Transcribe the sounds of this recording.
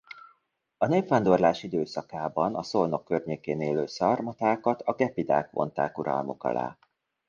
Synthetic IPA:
ɒneːpfand̪o̞rlaːʃid̪øːsɒkaːbɒnɒsolno̞kːørɲeːkeːneːløːsɒrmɒt̪aːkɒt̪ɒɡɛpid̪a̰ːkʋo̞̰nt̪a̰ːkuɾɒ̰lmo̞̰kɒ̰la̰ː

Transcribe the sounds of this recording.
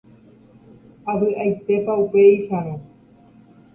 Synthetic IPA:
aβɨʔajt̪epaupeiʃaɾõ

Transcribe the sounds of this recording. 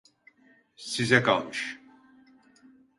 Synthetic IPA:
sizɛkʰalˠmɯʃ

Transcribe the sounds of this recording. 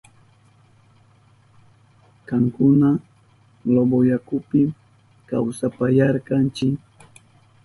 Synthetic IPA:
kɑŋkʊna | ɡlobojakʊpɪ | kawsapajaɾkɑnt͡ʃɪk

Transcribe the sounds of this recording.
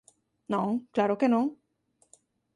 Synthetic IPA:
nõŋklaːɾokenɔ̃ŋ

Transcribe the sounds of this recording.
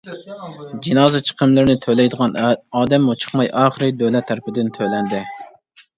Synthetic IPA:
d͡ʒinɑːzɨt͡ʃʰə̥qʰəmlɨɾɪnɪt̪ʰølɛjd̪əʁɑnɑːd̪ɛmːut͡ʃʰə̥χmɑjʔɑːχəɾɨd̪ølɛt̪ʰːæɾɪpɪd̪ɪnt̪ʰølɛnd̪ɪ

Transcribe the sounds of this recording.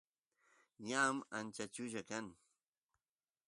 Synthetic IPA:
jamant͡ʃat͡ʃʊʒakaŋ

